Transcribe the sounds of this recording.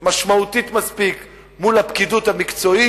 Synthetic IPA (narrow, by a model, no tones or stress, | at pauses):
maʃmaut̪it̪maspik | mulapkid̪uthamikt͡so̞i